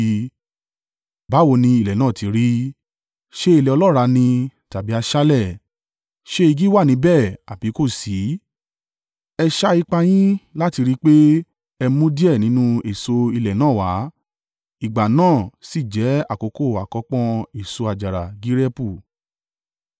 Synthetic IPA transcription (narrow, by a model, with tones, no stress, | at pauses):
ba˨˦wo˧˨nĩ˧i˧˨lɛ˨nãː˦˨ti˨˦ɾi˦ | ʃe˦i˧lɛ˨ɔ˧lɔ˦˨ɾa˧nĩ˧ta˨bi˨˦a˧ʃa˦lɛ˦˨ | ʃe˦i˧ɡi˦wa˦˨nĩ˨˦bɛ˦˨a˨bi˨˦ko˦˨si˨˦ | ɛ˧ʃa˦i˧k͡pa˧j̃ĩ˦la˦ti˧ɾi˦k͡pe˦ | ɛ˧mũ˦di˦ɛ˦˨nĩ˨˦nũ˦e˨so˧i˧lɛ˨nãː˦˨wa˨˦ | i˨ɡ͡ba˨nãː˦˨si˦˨d͡ʒɛ˨˦a˦˨ko˨˧ko˦˨a˨kɔ˧k͡pɔ̃˧e˨so˧a˨d͡ʒa˨ɾa˨ɡi˦ɾɛ˦pu˦˨